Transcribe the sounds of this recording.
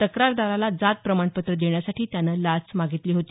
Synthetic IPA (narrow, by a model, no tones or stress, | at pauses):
t̪əkɾaɾd̪aɾalad͡zat̪̚pɾəmaɳpət̪ɾəd̪eɳjasaʈʰiːt̪janːəlat͡smaɡit̪liːɦot̪iː